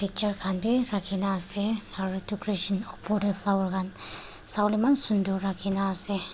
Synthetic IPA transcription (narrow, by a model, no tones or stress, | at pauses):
pʰik̚t͡ʃəɾkʰanbiɾakʰinaːsehaɾitukɾeʃɔnɔpɔdefʰlawɾɡansawlimansunduɾakʰinaːse